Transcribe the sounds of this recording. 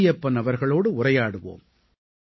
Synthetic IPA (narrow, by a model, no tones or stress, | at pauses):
ɪjɐpːɐnɐʋɐɾɣɐɭoːɽɯʊrɐjaːɽɯʋo̰ːm